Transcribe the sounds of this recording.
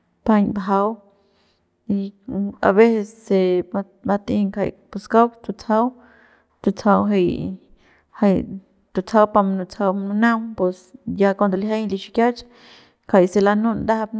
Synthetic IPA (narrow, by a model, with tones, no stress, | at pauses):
pa˧ɲba˨ɦa˧w | i˧a̰˧βe˦se˧sːe˧ | ma˧t̪i˧ŋkʰa̰˧jpu˧ska˦wkt̪u˧t͡sʰa˦w | t̪u˧t͡sʰa˧wɦa˧j | ha˧j | t̪u˨t͡sʰa˧wpa˧mnu˧t͡sʰa˧wmnu˧na˦wpe˧sja˧ka˧nd̪o˨li˧ɦa˦jli˧ʃi˧kja˦t͡ʃ | kʰa˨jse˧la˧nu˦nd̪a˦a˧b